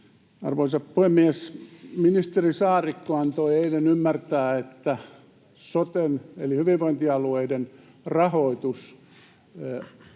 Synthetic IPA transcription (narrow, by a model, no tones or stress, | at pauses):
ɑ̰rʋoisɑppuhemːiesminist̪erisɑːrikːoɑnt̪oieilenymːært̪æːet̪ːæ | sot̪enḛlihyʋiʋʋoint̪iɑlueiden | rɑhoit̪us